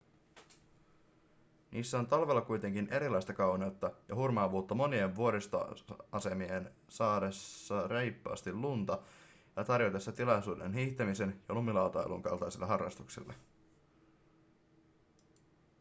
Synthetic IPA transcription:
nʔiːsːæo̞nt̪ɑlʋelːɑkujt̪e̞ŋkinʔe̞ɾilɑjst̪ɑkɑwneut̪ːɑjɑhurmɑːʋuːt̪ːɑmo̞nie̞ʋʋuo̞ɾist̪ɑ̰ʔɑse̞miensɑːdesːɑre̞jpːɑːst̪illunt̪ɑ | jɑt̪ɑrjot̪esːɑt̪ilɑjsuːdḛnɦiːht̪emise̞njɑlumilɑwt̪ɑḛlṵŋkɑ̰lt̪ɑjsilːɑɦɑrːɑ̰st̪uksḭlːɑ

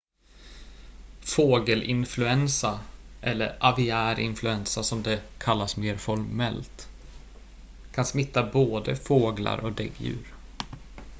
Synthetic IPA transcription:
foːɡəlʔɪnflɵɛnsaʔɛlːə̰ɾʔavɪæːɾʔɪ̰nflɵɛnsasɔmd̪ɛkʰalːasmeːɾfɔɾmɛlt̪ | kʰansmɪt̪ːaboːd̪əfoːɡla̰ɾʔɔk̚d̪ɛ̰ɡjʉ̟̰ːɾ

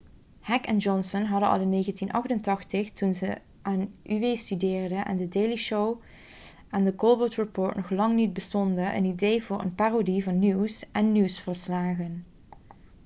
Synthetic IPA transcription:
hɛkɛ̰nd͡ʒɔnsɔnɦɑdənɑ̰lˠɪnːeːɣəntinʔɑ̰xtəntɑxtəxtunzə | ʔaːnʔyʋejstydɪːrdənʔɛ̰ndədejliʃow | ʔandəkɔlˠbɔtɹipoːɹtnɔχlɑŋnid̚bəstɔndənʔə̰nidejvʊːɹʔə̰npaːrodivɑnːiwsʔɛnːiwsfɔlslaːɣən

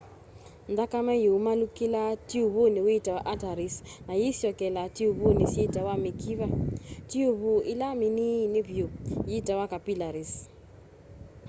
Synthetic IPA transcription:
ndakamɛjoumalukilatiuβoniweitawaʔataɾisnajisjɔkɛlatiuβonisjeitawamikʰiβatiuβuʔilaminineβjojiitawakapilaɾis

